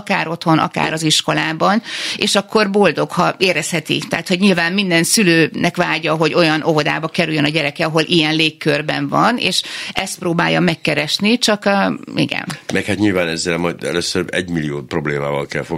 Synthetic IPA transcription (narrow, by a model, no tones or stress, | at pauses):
kaːɾo̞t̪ho̞nʔɒ̰ka̰ːɾɒziʃko̞laːbɒneːʃɒkːo̞rbo̞ld̪o̞khɒeːɾɛshɛt̪ḭt̪ɛːt̪ho̞ɟɲilvaːmmind̪ɛnsyløːnʔɛkʋaːɟɒɦo̞ɟo̞jɒnʔo̞vo̞d̪a̰ːbɒkɛɾyjønɒɟɛɾɛkɛɒɦo̞lʔijɛnleːkːørbɛ̰ɱvɒnḛːʃɛst̪̚proːbaːjɒmɛkːɛɾɛʃnit͡ʃɒkːḭɡɛ̰nmɛkhat̪ɲilvaːnɛzːɛlmɒjd̪ɛ̰løsːøɾɛɟmilijoːt̪pro̞bleːmaːvɒlkɛlfoɡ